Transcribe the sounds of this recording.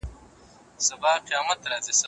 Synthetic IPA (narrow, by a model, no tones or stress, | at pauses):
sɐbaːqijaːmɐt̪ɾaːzisɐ